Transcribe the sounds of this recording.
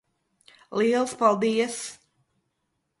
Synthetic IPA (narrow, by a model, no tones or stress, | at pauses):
liɛlˠspɔlˠd̪ijəs